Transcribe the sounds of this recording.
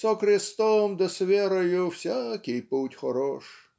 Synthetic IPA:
sɔkɾɪst̪ɔmd̪ɔsʲʋʲɛɾɔjʊwsʲakʲɪjputʲxɔɾɔʃ

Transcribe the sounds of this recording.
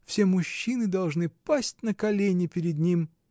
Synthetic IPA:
fsʲemʊɕːinɨd̪ɐlˠʐnɨpasʲt̚ʲnəkɐlʲenʲɪpʲɪɾʲɪd̪nʲim

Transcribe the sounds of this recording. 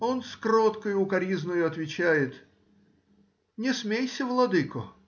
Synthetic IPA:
o̞nskɾot̪kəjʊʊkɐɾʲiznəjʊɐt̪vʲɪt͡ɕæjɪt̪ | nʲɪsmʲejsʲəvlˠɐd̪ɨkʊ

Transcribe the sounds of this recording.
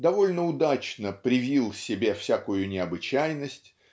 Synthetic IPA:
d̪ɐvo̞lʲnəʊd̪at͡ɕnəpɾʲɪvʲilˠsʲɪbʲefsʲakʊjʊnʲɪɐbɨt͡ɕæjnəsʲtʲ

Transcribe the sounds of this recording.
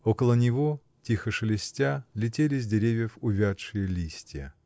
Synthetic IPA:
okəlˠənʲɪvo | tʲixəʂɨlʲɪsʲtʲalʲɪtʲelʲɪz̬ʲdʲɪɾʲevʲjəfʊvʲaʂɨjəlʲisʲtʲɪjə̰

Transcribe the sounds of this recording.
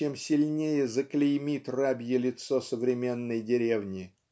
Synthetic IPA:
emsʲɪlʲnʲejəzəklʲɪjmʲit̪rabʲjəlʲɪt̪sosəvɾʲɪmʲe̞nːəjdʲɪɾʲevnʲɪ

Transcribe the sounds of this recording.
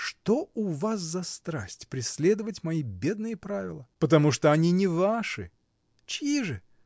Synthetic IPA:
ʂt̪oʊvas̬zɐst̪ɾa̰sʲtʲpɾʲɪsʲlʲed̪əvətʲmɐibʲe̞d̪̚nɨjəpɾavʲɪ̰lˠəpət̪ɐmuʂt̪oɐnʲinʲɪvaʂɨ̰ | t͡ɕiʐɨ

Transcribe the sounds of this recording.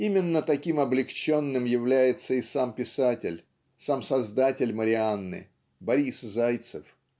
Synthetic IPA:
imʲɪnːət̪ɐkʲimɐblʲɪkt͡ɕo̞nːɨmjɪvlʲæjɪt̪səɪsampʲɪsatʲɪ̰lʲ | samsɐzd̪atʲɪlʲməɾʲɪanːɨ̰ | bɐɾʲiszajt̪səf

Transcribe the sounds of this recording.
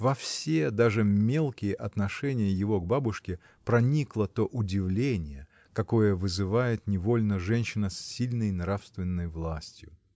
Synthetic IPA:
vɐfsʲed̪aʐɨmʲe̞lˠkʲɪjəʔɐt̪nɐʂɛnʲɪjəjɪvo̞ɡbabʊʂkʲɪ | pɾɐnʲiklˠət̪o̞ʔʊdʲɪvlʲenʲɪjə | kɐko̞jəvɨzɨvajɪt̪nʲɪvo̞lʲnəʐɛnʲɕɪnəsʲːilʲnəjnrafst̪vʲɪnːəjvlˠasʲtʲjʊ

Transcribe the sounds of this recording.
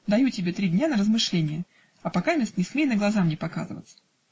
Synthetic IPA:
d̪ɐjutʲɪbʲe̞t̪ɾʲidʲnʲanəɾəzmɨʂlʲenʲɪjə | ɐpakamʲest̪nʲɪsmʲejnəɡlˠɐzamnʲɪpaka̰zɨvə̰t̪sə̥

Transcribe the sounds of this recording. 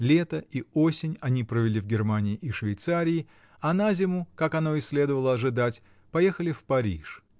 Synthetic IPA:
lʲe̞t̪əio̞sʲɪnʲɐnʲipɾəvʲɪlʲivɡʲɪrmanʲɪːʔɪʂvʲɪjt̪saɾʲɪː | ɐnazʲɪmʊkakɐno̞ɪsʲlʲe̞d̪əvəlˠəɐʐɨd̪atʲ | pɐje̞xəlʲɪfpɐɾʲḭʂ

